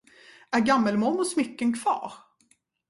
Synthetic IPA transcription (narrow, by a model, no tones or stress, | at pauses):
æɾɡamːəlmɔnːʊsmʏkːənkʰv̥ɑ̰ːɾ